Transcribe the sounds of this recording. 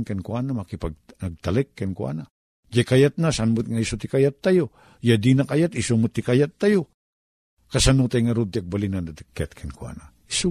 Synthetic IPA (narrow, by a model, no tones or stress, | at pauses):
nkankwanamakɪpaɡ̚nɐɡ̚t̪alɛkːankwa̰na | d͡ʒakajat̪̚nasanmʊt̪ŋaisot̪ɪkajat̪ːajo | jad̪inakajat̪ɪsomʊt̪ɪkajat̪ːajo | kasanot̪ajŋɐɾut̪ːɪaɡ̚balinanat̪ɪkːjat̪̚kʰankwa̰na | iso